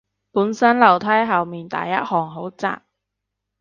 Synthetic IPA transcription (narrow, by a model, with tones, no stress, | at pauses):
puː˨˥nsɐ˥nlɐ˨˩wt̪ʰɐ˥jɦɐ˨wmiː˨nt̪a̰ː˨jːɐ˥t̚hɔː˨˩ŋɦo˨˥wt͡sa̰ː˧˨p̚